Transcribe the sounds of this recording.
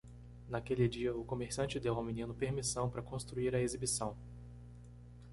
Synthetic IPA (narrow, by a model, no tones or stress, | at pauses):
nakelɪd͡ʒiɐʊkõmeɾsiɐ̃t͡ʃɪd̪ewãminĩnʊpeɾmisɐ̃w̃pɾɐkõst̪ɾuiɾɐezibisɐ̃w̃